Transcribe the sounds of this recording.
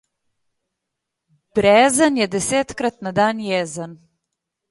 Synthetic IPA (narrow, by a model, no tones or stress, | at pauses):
b̥ɾɛːzənjɛd̪ɛseːt̪kɾat̪nad̪anjɛːzən